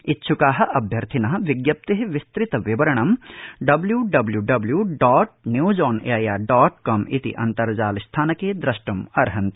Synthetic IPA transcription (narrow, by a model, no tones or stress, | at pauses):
itːʃʰukaːɦɐ̆ʔɐbʱjɐɾt̪ʰinɐɦɐʋiɡjɐp̚t̪eɦʋist̪ɾit̪ɐʋibɐɾɐɳ̃ɐmɖɐbljuːɖɐbljuːɖɐbljuːɖɔːʈ̚njuːd͡ʒɔːnḛːɐjaːɖɔːʈkɐmḭt̪ḭʔɐ̰nt̪ɐɾɐd͡ʒaːlist̪ʰaːnɐkeːd̪ɾɐʃʈɐmɐɾɦɐnt̪